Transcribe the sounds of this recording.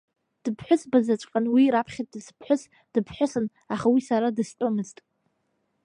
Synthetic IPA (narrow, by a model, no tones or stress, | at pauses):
d̥ɨpʰħʷʊsbazat͡ʃʷʼqʼanwiɾapʰχʲat̚dɨspʰħʷʊs | d̥ɨpʰħʷʊsɨn | aχawisaɾadɨst͡ʃʷʼomɨztʼ